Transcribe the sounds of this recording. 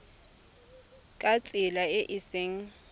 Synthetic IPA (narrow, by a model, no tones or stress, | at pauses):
kʼat͡sʼɪlaɪʔɪseŋ̩